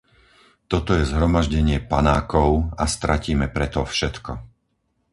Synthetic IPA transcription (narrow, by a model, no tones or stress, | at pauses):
t̪ɔt̪ɔjɛzɦɾɔmaʒɟɛɲɪɛpanaːkɔʊast̪ɾʔaciːmɛpɾɛt̪ɔfʃɛt̪kɔ